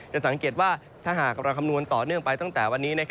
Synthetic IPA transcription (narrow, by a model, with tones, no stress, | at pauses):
t͡ɕa˨˩ʔsa˩˦ŋkeː˨˩t̪̚waː˥˩ | t̪ʰaː˥˩ɦaː˨˩k̚ɾa˧kʰmnu˧ənt̪ɔː˨˩nɯ˥˩əŋpa˧jt̪a˥˩ŋt̪ɛː˨˩wa˧nːiː˦˥na˦˥kʰ